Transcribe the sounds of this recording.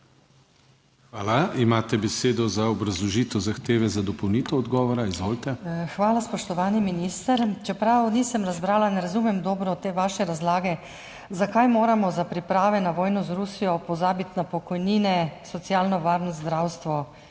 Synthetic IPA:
xʋaːlaimaːt̪ɛbɛseːd̪ɔzaɔbɾazlɔʒiːt̪ɛwzaxt̪eːʋɛzad̪ɔpɔwniːt̪ɛɔd̪ɡɔːʋɔɾaizʋoːlt̪ɛxʋaːlaspɔʃt̪ɔʋaːniminiːst̪əɾt͡ʃɛpɾawniːsəmɾazbɾaːlanɛɾazumɛmd̪ɔːbɾɔt̪eːʋaːʃɛɾazlaːɡɛ | zakajmoːɾamɔzapɾipɾaːʋɛnaʋɔːjnɔzɾusijɔpɔzaːbit̪napɔkɔjniːnɛsɔt̪sjaːlnɔʋaɾnɔzd̪ɾaːwst̪ʋɔ

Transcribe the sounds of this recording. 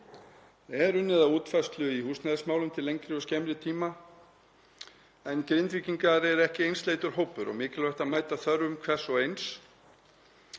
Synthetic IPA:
ɛɾʏnːɪðauːt̪fast̪lʏihuːsnɛðsmaːwlʏmt̪ʰɪlːejŋkɾɪʏscɛmlɪt̪ʰiːma | ɛnkɾejnt̪viːciŋkaɾɛɾɛhcɪejnst̪leːjt̪ʏɾ̥ɦowpʏɾɔ̰ɣmɪːcɪlvœht̪amaːjt̪aθœɾvʏmkʰvɛ̥sɔejns

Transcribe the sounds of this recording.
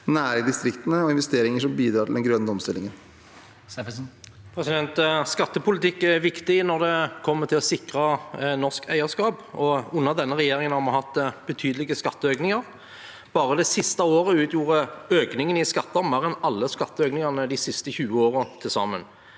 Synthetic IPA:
næːɾɪd̪ɪst̪ɾɪkt̪ənəɔɪnʋɛst̪eːɾɪŋəʂɔmbiːd̪ɾɑːʈʰɪld̪ɛnɡɾœnːəɔmst̪ɪlːɪŋən | pʰɾɛsɪd̪ɛnt̪skɑt̪ːəpʊlɪt̪ʰɪkːɛʋɪkt̪ɪnɔɾd̪ɛkʰɔmːət̪ʰɪlɔsɪkɾɑnɔʁskʰæ̰ɪəʁskɑːbɔʉnːəʁd̪ɛnːəʁɛjeːɾɪŋənhɑɾmɑhɑt̪ːb̥ət̪ʰyːd̪əlɪɡəskɑt̪ːəøːknɪŋɑʁ | b̥ɑːɾəd̪ɛsɪst̪ɑoːʁəʉːt̪ʰjuːʁəøːknɪŋənɪskɑt̪ːəɑʁmɑɾɛnɑlːəskɑt̪ːəøːknɪŋɑnəd̪ɪsɪst̪əçʉːəoːʁət̪ʰɪlsɑ̰mːən

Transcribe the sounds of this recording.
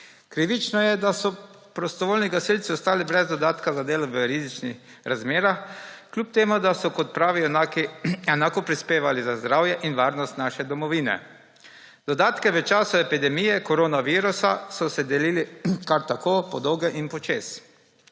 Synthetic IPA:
kɾiːʋit͡ʃnɔjɛd̪asɔ | pɾɔst̪ɔʋoːlniɡasilt̪siɔst̪aːlibɾɛzd̪ɔd̪aːt̪kazad̪eːlɔʋəɾizit͡ʃnḭx | ɾazmeːɾaxklʲup̚t̪eːmud̪asɔkɔt̪̚pɾaːʋinakiɛnaːkɔpɾispeːʋalizazd̪ɾaːwjɛʔinʋaːɾnɔst̪naʃɛd̪ɔmɔʋiːnɛ̰ | d̪̥ɔd̪aːt̪kɛʋət͡ʃaːsuɛpid̪ɛmijɛkɔɾoːnaʋiːɾusasɔsɛd̪ɛliːlikaɾt̪akoːpɔd̪ɔːɡɛʔinpɔt͡ʃeːs

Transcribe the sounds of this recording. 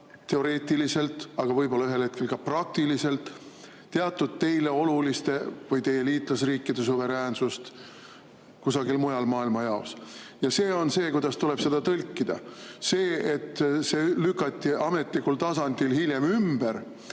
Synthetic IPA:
t̪e̞o̞ɾe̞ːt̪ʲːˑilise̞lt̪ˑɑɡ̥ɑvɤjbolːɑyɦe̞lhe̞t̪̚ke̞lkɑprɑk̚t̪ilise̞lt̪ː | e̞ɑt̪ːˑud̪̥̚t̪e̞jle̞o̞lulist̪e̞vɯjt̪e̞jːeliːt̪ˑlɑsriːkːˑid̪̥e̞suve̞ɾæːnsust̪ | kusɑɡilmujɑlmɑːilmɑjɑos | jɑse̞ːo̞nse̞ːkujd̪̥ɑst̪ule̞b̥se̞d̪̥ɑt̪ɤlʲkːid̪̥ɑ̰se̞ːet̪ːse̞ːlykːˑɑt̪ʲˑːiʔɑme̞t̪ˑlikːult̪ɑsɑnd̪̥ilhilʲje̞mymb̥eɾ

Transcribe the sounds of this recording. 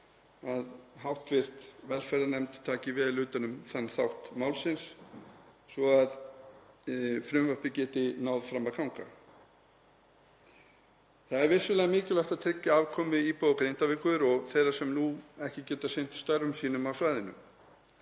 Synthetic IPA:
aðɦawht̪vɪr̥t̪vɛlfɛɾðanɛmt̪t̪ʰːaːcɪvɪðlːʏːt̪anʏmθanːθawht̪maːwlsɪns | svɔað | fɾʏmvœhpɪcɛːt̪ɪnawðfɾamaðkʰawŋka̰ | θaðɛɾvɪ̥sʏlɛːɣamɪːcʏlɛht̪aðt̪ʰɾɪcːaaːvkʰɔːmɪipoðakɾejn̥t̪avɪkʰʏðʏɾɔθejɾasɛmnuɛhcɪcɛːt̪asejn̥t̪st̪œɾːʏmsiːnʏmawsvaːjðɪnʏ̰m

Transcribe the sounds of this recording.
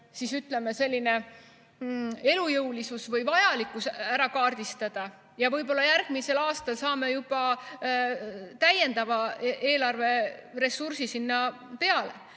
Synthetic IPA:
sisyt̪le̞me̞se̞lʲːine̞ | e̞lujɤwlisusvɤjvɑjɑlikːˑusæɾɑkɑːrd̪̥ist̪ɑd̪̥ɑ | jɑvɤjbo̞lːɑjæɾɡ̥̚mise̞lɑːst̪ɑlsɑːme̞jub̥ɑ | t̪æje̞nd̪̥ɑvɑʔe̞ːlɑrve̞re̞sursisinːɑ | pe̞ɑle̞̰

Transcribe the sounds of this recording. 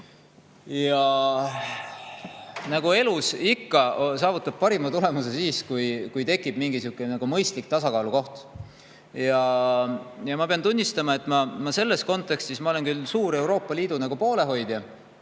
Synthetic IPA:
jɑ | nɑɡ̥ue̞lusikːɑsɑːvut̪ːˑɑb̥̚pɑɾimɑt̪ule̞muse̞siːskujkujt̪e̞kːˑib̥miŋɡisukːˑenɑɡumɤjst̪lik̚t̪ɑsɑkɑːluko̞ht̪ | jɑ | jɑmɑpe̞ɑnt̪unʲːist̪ɑmɑe̞t̪ːˑmɑmɑse̞lːe̞sko̞nt̪ːˑe̞kst̪ismɑo̞le̞nkylsuːɾe̞wɾo̞ːpːˑɑliːd̪̥unɑɡ̥upo̞ːle̞ɦo̞jd̪̥jɑ

